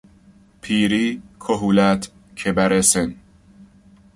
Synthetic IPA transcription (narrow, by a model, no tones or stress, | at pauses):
pʰiːɾiːkʰoɦuːlæt̪ʰ | cʰebæɾesen